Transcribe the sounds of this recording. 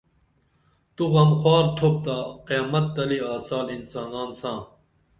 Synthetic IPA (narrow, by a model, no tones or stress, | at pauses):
t̪uɣɐmxwaːɾt̪ʰop̚t̪aqijaːmɐt̪ːɐliaːsaːlinsaːnaːnsãː